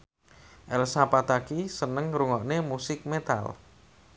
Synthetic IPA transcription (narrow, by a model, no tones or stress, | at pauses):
ʔɛlsapat̪akisənəŋɾuŋɔʔnemusɪk̚met̪a̰l